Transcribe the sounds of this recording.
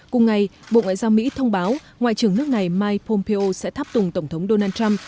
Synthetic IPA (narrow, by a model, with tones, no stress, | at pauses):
kʊ˨˩ŋ͡mŋa˨˩jɓo̰˧˨ŋwa̰ː˧˨zaː˧wmḭ˧˥t̪ʰə˧wŋ͡mɓaː˨˦w | ŋwa̰ː˧˨jt͡ɕɨ˨˩əŋnɨ˦˥ək̚na˨˩jmaː˧jpɔ˧mpe˧ʔo˧sɛ̰˧˥t̪ʰaː˦˥p̚t̪ʊ˨˩ŋ͡mt̪ə˧˩wŋ͡mt̪ʰə˨˦wŋ͡mɗo˧naː˧nt͡ɕa˧m